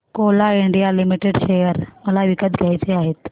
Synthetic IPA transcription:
kolaiɳɖijalimiʈeɖɕejəɾməlaʋikət̪ɡʱjajt͡seaɦet̪

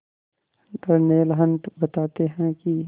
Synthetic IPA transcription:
d̪ɐɾneːlɦə̃nd̪bɐt̪aːt̪eɦɛ̃ki

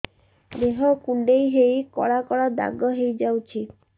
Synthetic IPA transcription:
d̪eɦɔkuɳɖejɦejkɔ̰ɽakɔɽad̪a̰ɡɔɦejd͡ʒawt͡ʃʰi

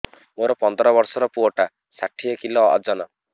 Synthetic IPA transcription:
moɾɔpɔnd̪ʱɔɾɔbɔɾsɔɾɔpuɔʈa | saʈʰijɔkilɔɔ̰d͡ʒɔnɔ

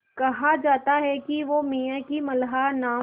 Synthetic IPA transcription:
kɐɦad͡ʒaːt̪aɦɛkiʋomiːãkimɐlɦanaː

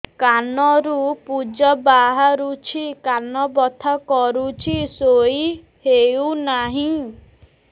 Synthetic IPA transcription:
kanɔɾupud͡ʒɔbaɦaɾut͡ʃʰikanɔbɔt̪ʰakɔɾut͡ʃʰisoi | heunaɦĩ

